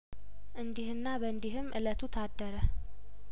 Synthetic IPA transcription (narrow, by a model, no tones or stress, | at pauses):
ʔɨnd̪ihɨnːabəɨnd̪iɦɨmʔɨ̰lət̪ʰut̪ʰad̪ːəɾə